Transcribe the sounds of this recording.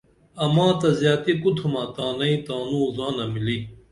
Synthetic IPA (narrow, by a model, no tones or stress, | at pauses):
ɐmãːt̪ɐzjaːt̪ikut̪ʰumãːt̪aːnɐĩt̪aːnũːzaːnamiliː